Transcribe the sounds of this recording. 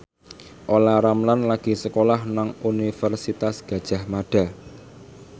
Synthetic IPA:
ʔolaɾamlanlaɡ̥i̤səkolahnaŋunifɛrsit̪asɡ̥ä̤d̥ʒ̥a̤hmaɖ̥a̤

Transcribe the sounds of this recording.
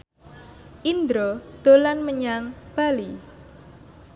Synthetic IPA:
ʔind̪ɾɔd̪̥o̤lanməɲaŋb̥a̤li

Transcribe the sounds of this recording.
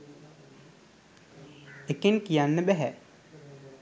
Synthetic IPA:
ekenkijanːəbæɦɛ

